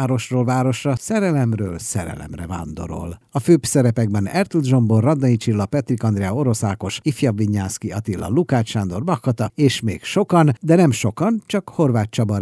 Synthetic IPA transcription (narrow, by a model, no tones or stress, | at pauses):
ɾo̞ʃroːlvaːɾo̞ʃrɒsɛɾɛlɛmrø̰ːlsɛɾɛ̰lɛ̰mrɛva̰ːnd̪o̞̰ɾo̞̰lɒføːbsɛɾɛpɛɡbɛnɛrt̪ulʒo̞mborːɒd̪ːɒnit͡ʃilːɒpɛt̪rikɒnd̪ɾɛɒo̞ɾo̞saːko̞ʃifjɒbviɲːaːskiɒt̪ilːɒ̰lukaːt͡ʃʃaːnd̪o̞rbɒkːɒt̪ɒeːʃmeːkʃo̞kɒnd̪ɛnɛmʃo̞kɒnt͡ʃɒkho̞rvaːt̪̚t͡ʃɒbɒ